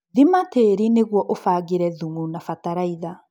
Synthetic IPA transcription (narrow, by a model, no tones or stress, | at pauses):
ðimateɾineɣwɔʔofaːɣiɾɛðuŋunafataɾaiða